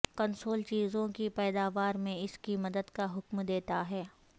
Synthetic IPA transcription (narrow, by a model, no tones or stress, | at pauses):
kɐnsoːlt͡ʃiːzõkipɛːd̪aːʋaːɾmẽɪskimɐd̪əd̪kaɦʊkmd̪eːt̪aɦɛː